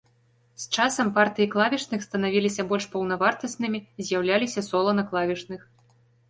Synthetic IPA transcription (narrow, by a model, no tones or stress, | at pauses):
st͡ʂasɐmpart̪ɨjiklˠavʲit͡ʂnɨxst̪ɐnavʲilʲisʲɐbɔlʲʂpɐwnɐvart̪ɐsʲnɨmʲizʲjawlʲalʲisʲɐsɔlˠɐnɐklˠavʲit͡ʂnɨx